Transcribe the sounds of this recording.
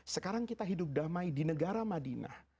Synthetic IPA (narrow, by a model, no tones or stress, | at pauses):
səkaɾaŋkit̪aɦidʊp̚damajdinəɡaɾamadina̰h